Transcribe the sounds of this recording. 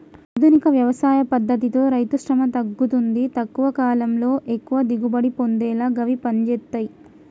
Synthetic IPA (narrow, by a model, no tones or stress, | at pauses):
ɐd̪ʱunikɐʋjɐʋɐsaːjɐpɐd̪ːɐt̪̬it̪o̞ːɾɐjt̪uʂɾɐmɐt̪ɐɡːut̪und̪it̪ɐkːuʋɐkaːlɐmlo̞ːʔe̞kːuʋɐd̪iɡubɐɽipo̞nd̪ɛːlaːɡɐʋipɐɲd͡ʒeːt̪ːɐji